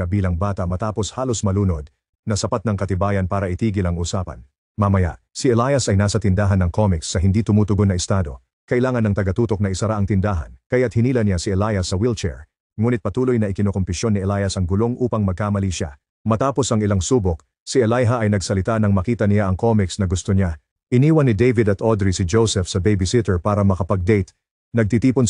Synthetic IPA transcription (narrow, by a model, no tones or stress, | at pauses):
ɐbiːlɐŋbaːt̪ɐmɐt̪aːpo̞shaːlo̞smɐluːnod̪̚ | nɐsɐpat̪nɐŋkɐt̪ɪbaːjɐnpaːɾɐʔɪt̪iːɡɪlɐŋuːsaːpɐ̰n | mɐmɐja̰ʔ | siɛlajɐsɐjnaːsɐt̪ɪnd̪aɦɐnːɐŋkomɪksːɐɦɪnd̪iːt̪ʊmuːt̪ʊɡonːɐɪst̪aːd̪o̞ | kɐʔɪlaːŋɐnːɐŋt̪ɐɡɐt̪uːt̪o̞k̚nɐɪsɐɾaʔɐŋt̪ɪnd̪aːɦɐ̰nkɐjat̪̚hɪniːlɐnɪjasiɛlajɐsːɐwilt͡ʃɛ̰ɹ | ŋuːnɪt̪̚pɐt̪uːlojnɐʔɪkɪnokompɪʃjo̞nːɪɛlajɐsɐŋɡʊlo̞ŋʔuːpɐŋmɐɡ̚kaːmɐliʃa̰ | mɐt̪aːpo̞sɐŋɪlaŋsuːbok̚ | siɛlajɦɐʔɐjnɐɡsɐlɪt̪anɐŋmɐkiːt̪ɐnɪjaʔɐŋkʰo̞mɪksnɐɡʊst̪oɲa | ʔɪniːwɐnːɪd̪ejvɪd̪ɐt̪ʰod̪ɾisɪd͡ʒowsɛfsɐbejbɪsɪt̪ɛɹpaːɾɐmɐkɐpɐɡ̚d̪ejt̪ | nɐɡ̚t̪it̪iːpʊn